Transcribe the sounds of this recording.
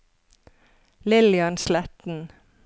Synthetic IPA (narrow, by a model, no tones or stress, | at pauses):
lɪlɪɑnslɛt̪n̩